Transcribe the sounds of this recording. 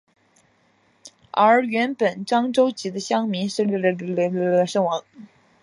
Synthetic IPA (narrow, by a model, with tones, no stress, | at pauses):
ə˞˧˥ɥɛ˧˥npə˨˩nʈ͡ʂɑ˥ŋʈ͡ʂo˥ʊt͡ɕi˧˥d̪ə˧ɕjɑ˥ŋmi˧˥nʂɻ̩˥˧˥ʂɤ˥˩ŋwɑ˧˥ŋ